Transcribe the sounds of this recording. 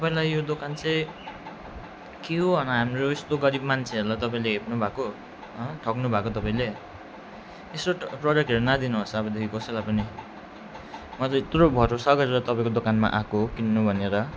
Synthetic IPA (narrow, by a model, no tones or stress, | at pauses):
t̪ʌpaĩlajːod̪okant͡sʌj | keɦoɦʌnʌɦamroest̪oɡʌɾibmant͡sʰeʌɾulajt̪ʌpaĩleɦepnubʱako | ɦʌʈʰʌknubʱakot̪ʌpãĩle | esoproɖʌk̚ʈɦʌɾonad̪inuɦosʌʌbʌd̪ekʰikʌsʌjlajpʌni | mʌt͡sʌ̃it̪robʱʌɾosʌɡʌɾeɾʌt̪ʌpãĩkod̪okanma̰ʔakokinːobʱʌneɾʌ